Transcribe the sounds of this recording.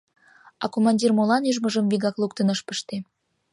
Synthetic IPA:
ɑkomɑnʲdʲirmolɑnyʒməʒəmviɣɑklˠukt̪ənəʃpəʃt̪e

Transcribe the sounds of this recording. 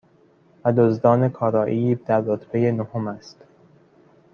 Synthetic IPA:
væd̪ozd̪ɒːne̞kʰɒːɾɒːʔiːbd̪̥æɾːot̪ʰbeje̞nohomæst̪

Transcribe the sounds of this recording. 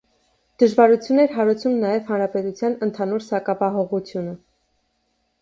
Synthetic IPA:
d̪̥əʒvɑɾut͡sʰjunɛɾɦɑɾut͡sʰumnɑjɛvhɑnɾɑpɛt̪ut͡sʰjɑnənt̪ʰɑnuɾsɑkɑpɑɦɔʁut͡sʰjunə

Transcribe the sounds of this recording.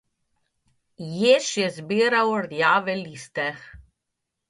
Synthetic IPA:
jeʃjɛzbiːɾawɾjaːʋɛlist̪ɛx

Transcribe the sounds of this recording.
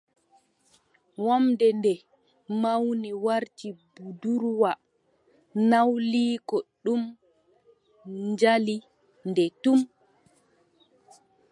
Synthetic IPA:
wamdɛndɛ | mawniwaɾt͡ʃibuduɾwa | nawliːkɔɗum | ɲd͡ʒali | ndɛtum

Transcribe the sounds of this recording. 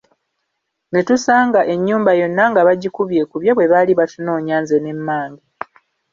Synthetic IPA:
ŋɡetusaːŋɡaʔe̞ɲːuːmbajo̞nːaŋɡaβaɟikuβje̞kuβjaβwe̞βaliβatuno̞ːɲaːnzene̞mːaːɲɡi

